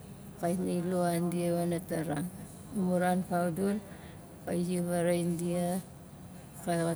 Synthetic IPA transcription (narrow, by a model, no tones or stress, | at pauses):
kajniloandiaβanataɾaŋ | muɾanpʰawdul | kajd͡ʒiβaɾaindija | ka